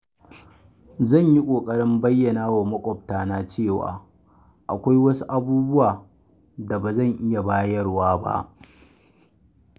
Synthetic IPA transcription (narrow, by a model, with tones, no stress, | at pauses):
zɐ˦˨ɲji˦kʷʼoː˨kʼɐ˦ɽɪ˦mbɐ˦jːɐ˨naː˦waː˨mɐ˦kʷʼɔ˨p̚taː˨naː˦t͡ʃeː˦˨wa̰ː˨ | ʔa̰˨kʷa˦jwɐ˦su˦ʔa˦buː˦bʊ˦waː˨ | da˨baː˨zɐ˦˨ŋʔɪ˦ja˨baː˦jɐ˦rwaː˦ba̰˦ʔ